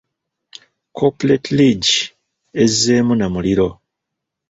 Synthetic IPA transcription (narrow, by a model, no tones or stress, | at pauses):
kʰopuletliɟi | ezːeːmunamuliɾo̞